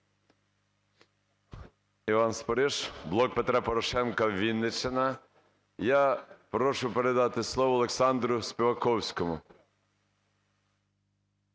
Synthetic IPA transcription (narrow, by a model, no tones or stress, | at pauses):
iʋɑnspɔɾɪʃblˠɔk̚pet̪ɾapɔɾɔʃɛnkɐʋʲinːet͡ʃenɐ | japɾɔʃʊpeɾed̪ɑt̪ɪslˠɔʋɔːlˠeksɑnd̪ɾʊsʲpʲiʋɐkɔwsʲkɔmʊ